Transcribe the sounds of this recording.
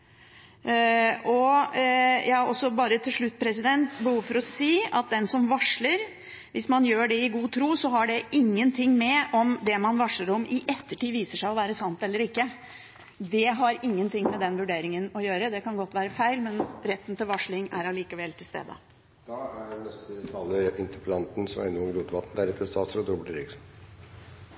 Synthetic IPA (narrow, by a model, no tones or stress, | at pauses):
ɔ | jɑːɔsɔbɑːɾət̪ʰɪlʂɭʉt̪ːpʰɾɛsɪd̪ɛnt̪bəhuːʋfɔɾɔsiːɑt̪̚d̪ɛnsɔmʋɑʂɭəɾ | ʋɪsmɑnjøːɖɛɪɡuːt̪ʰɾuːsɔɦɑɖɛʔɪŋːənt̪ʰɪŋːmɛʔɔmd̪ɛmɑnʋɑʂɭəɾɔmɪʔɛt̪ːəʈiːʋiːsəʂæɪɔʋæːɾəsɑnt̪ɛlːəɾɪkːə | d̪ɛɦɑɾɪŋːənt̪ɪŋmɛd̪ɛnʋʉɖeːɾɪŋənɔjøːɾəd̪ɛkɑnɡɔt̪ːʋæːɾəfæɪlmɛnɾɛt̪ːənt̪ʰɪlʋɑʂɭɪŋæɾɑliːkəʋɛlt̪ʰɪlst̪ḛːd̪ə̰ | d̪̥ɑːæɖɛnɛst̪ət̪ʰɑlːəɾɪnt̪əpʰlɑnt̪n̩sɔmæ̰ɾɪnːɔʊŋɾuːt̪ʋɑt̪ːn̩d̪æɾɛp̪ʰɾɛst̪ʰɑːsəɾɔt̪ɾʊbəʈəɾɪks